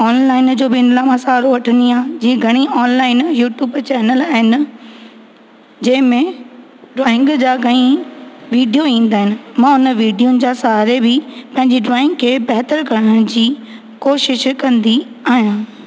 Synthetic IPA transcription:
ɔːnlaːɪnd͡ʑoːbɪɪ̃nlaːmãsaːɾoʋɐʈʰə̃nd̪iɦãːd͡ʑiːẽɡʱɐɽ̃iʔɔːnlaːɪnjuːʈjuːbt͡ɕɛːnəlaːɦɪnɪ̆ | d͡ʑɐ̃ɦɪ̃mẽ | ɖɾaːɪ̃ŋɡd͡ʑaːɡɐɽ̃ĩʋiːɖijoĩːnd̪aːɦɪnɪ̆mãːʊnəʋiːɖijʊnɪ̆d͡ʑaːsaɦaɾebɪpɐ̃ɦɪ̃ɲd͡ʑiɖɾaːɪ̃ŋɡkʰeːbɛɦt̪əɾkɐɽəɽ̃d͡ʑiː | koːʃɪʃkɐ̃nd̪i | aːɦijãː

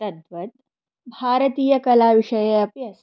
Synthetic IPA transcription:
ɐd̪ʋət̪̚ | bʱaːɾət̪iːjɐkɐlaʋiʂɐjeɐpjɐ

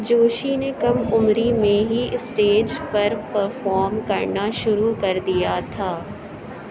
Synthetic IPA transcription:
d͡ʒoːʃinekɐmʊmɾimẽɦiɪsʈeːd͡ʒpɐɾpɐɾfɔːɾmkɐɾnaʃʊɾukɐɾd̪ijat̪ʰaː

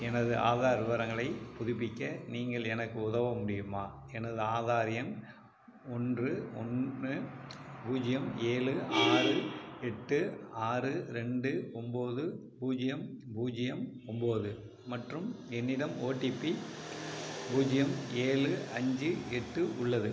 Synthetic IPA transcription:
ɛnɐðɯʔa̰ːðaːɾɯʋɐɾɐŋɡɐɭɐɪpʊðɪpːɪkʲːɐniːŋɡɐɭɛnɐkːɯʊðɐʋɐmʊɽɪjɯmaː | ɛnɐðɯaːðaːɾɪjɐn | ɔndrɯɔ̰nɯbuːd͡ʒɪjɐmeːlɯaːrɯɛʈːɯaːrɯɾɛɳɖɯɔmboːðɯ | buːd͡ʒɪjɐmbuːd͡ʒɪjɐm | ɔmboːðɯ | mɐʈrɯmɛnːɪɽɐmoːʈːipːi | buːd͡ʒɪjɐmeːlɯɐɲd͡ʒɯɛʈːɯʔʊɭːɐðɯ

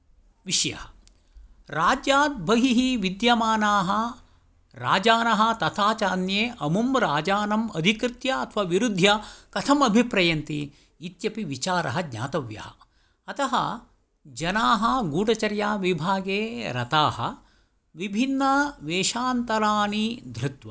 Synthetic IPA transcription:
ʋiʃjɐ̰hɐ | ɾaːd͡ʒjaːd̪̚bʱɐɦiɦiʋid̪jɐmaːnaːɦɐ | ɾaːd͡ʒaːnɐɦɐ̆t̪ɐt̪ʰaːt͡ʃaːnjeːʔɐmumɾaːd͡ʒaːnɐmɐd̪ʱikɾɪt̪jɐɐt̪ʰʋaʋiɾud̪ʱjɐkɐt̪ʰɐmɐbʱipɾɐjɐnt̪iː | t̪jɐpiʋit͡ʃaːɾɐ̰ɦɐɡɲa̰ːt̪ɐʋjɐ̰ɦɐ̰ | ɐt̪ɐɦɐ | d͡ʒɐnaːɦɐɡuːʈɐt͡ʃɐɾjaːʋibʱaːɡeːɾɐt̪aːhɐ̆ | ʋibʱinːɐʋeːʃaːnt̪ɐɾaːnid̪ʱɾɪt̪ʋɐ

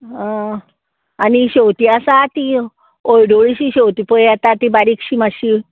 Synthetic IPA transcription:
ɦã | aniɕewt̪iasat̪i | ojɖoɭiɕiɕewt̪ipəjat̪at̪ibaɾikɕiːmaɕi

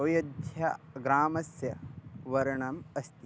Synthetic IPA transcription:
oːjɐd̪ʱjɐɡɾaːmɐsjɐʋɐɾɐɳɐmɐst̪i

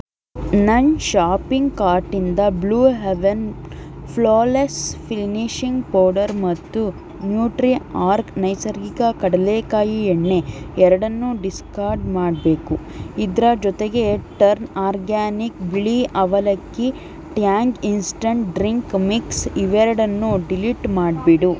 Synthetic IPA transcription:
nɐnʃaːpiŋɡkaːɾʈind̪ɐbluːɦeʋen | pʰloːlespʰilniʃiŋɡpoːɾɖɐɾmɐt̪ːu | njuːʈɾiaːɾknɐjsɐɾɡikɐkɐɽɐleːkaːjieɳːe̞ɛɾɐɽɐnːuɖiskaːɾɖmaːɖbe̞ːkuid̪ɾɐd͡ʒɔt̪eɡe̞ʈɐɾnaːɾɡaːnikbiɭiʔɐʋɐlɐkːi | ʈjaːŋɡinsʈɐɳʈɖɾiŋkmiksiʋɛɾɐɽɐnːuɖiliʈmaːɖ̚biɽu

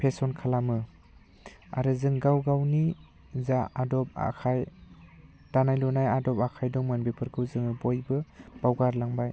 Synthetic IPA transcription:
pʰesɔnkʰalamɯ | a̰ɾɯzɯŋɡawɡawni | zaadɔp̚a̰kʰaj | d̥anajlɔnajadɔpakʰajdɔŋmɯnbepʰɯɾkʰɯwzɯŋɯbɔjbɯb̥awɡaɾlaŋbaj

